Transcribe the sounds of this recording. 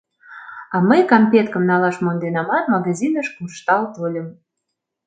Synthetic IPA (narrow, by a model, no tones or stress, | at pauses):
ɑməjkɑmpʲet̪kə̆mnɑlɑʃmond̪enɑmɑnmɑɣɑzʲinəʃkuʃt̪ɑlt̪olʲəm